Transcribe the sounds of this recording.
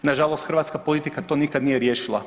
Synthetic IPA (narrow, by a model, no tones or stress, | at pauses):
naʒalˠost̪xr̩ɾʋaːt̪skapolˠit̪ikat̪onikad̪nijeɾjeːʃilˠa̰